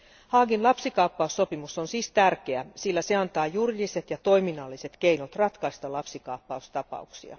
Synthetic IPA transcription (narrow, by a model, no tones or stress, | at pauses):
hɑːɡinlɑpsikɑːpːɑusːo̞pimusonsiːst̪ærk̟eæsilːæse̞ɑnt̪ɑːjurjise̞t̪jɑt̪o̞jminɑlːise̞t̪ke̞inot̪rɑt̪kɑist̪ɑlɑpsikɑːpːɑust̪ɑpɑ̰uksḭɑ̰